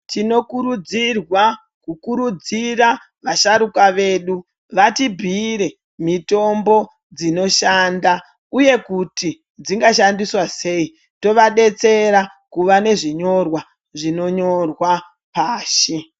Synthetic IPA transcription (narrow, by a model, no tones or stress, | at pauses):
tino̞kuɾud͡zirwa | kukuɾud͡zira | ʋaʃaɾukaʋe̞ːɗu | ʋatibʱiɾe̞ | mito̞mbo̞ | d͡zino̞ʃanda | uje̞kuti | d͡ziŋɡaʃandiswase̞i | to̞ʋaɗe̞t͡se̞ɾa | kuʋane̞ʐiɲo̞rwa | ʐino̞ɲo̞rwa | paːʃi